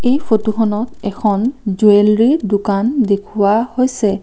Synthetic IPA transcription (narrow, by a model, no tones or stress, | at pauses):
ejfʰotuxʰɔnɔtɛkʰɔnzuɛlɹidʊkandekʰuwahojsɛ